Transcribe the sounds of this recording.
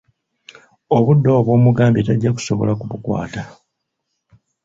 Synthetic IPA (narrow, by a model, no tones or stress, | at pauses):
oβudːoːβwo̞ːmuɡaːmbitaɟːaku̥so̞βo̞̰lakuβukwa̰ːta